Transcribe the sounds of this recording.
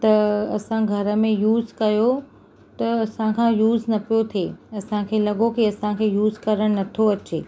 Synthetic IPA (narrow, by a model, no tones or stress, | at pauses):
t̪ɐɐsãɡʱɐɾə̆mẽjuːzkɐjo | t̪ɐɐsãkʰãːjuːznɐpijot̪ʰeːɐsãkʰeːlɐɠokiɐsãkʰeːjuːzkɐɾəɽ̃nɐt̪ʰoɐt͡ɕeː